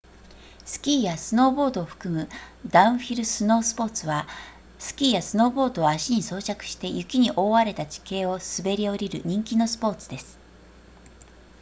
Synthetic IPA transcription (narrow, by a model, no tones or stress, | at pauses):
sɨ̥kʲiːjasɨno̞ːbo̞ːd̪o̞ːɸɯ̟̥kɯ̟mɯ̟d̪aɯ̃ɰ̃ɸʲiɾɯ̟sɨno̞ːsɨ̥po̞ːt͡sɨβa | sɨ̥kʲiːjasɨno̞ːbo̞ːd̪o̞aɕiɲ̟iso̞ːt͡ɕakɯ̟̥ɕi̥t̪e̞jɯ̟kʲiɲ̟iʔo̞ːβaɾe̞t̪at͡ɕi̥ke̞ːo̞sɨbe̞ɾʲio̞ɾʲiɾɯ̟̰ɲ̟ĩŋkʲino̞sɨ̥po̞ːt͡sɨd̪e̞sɨ̥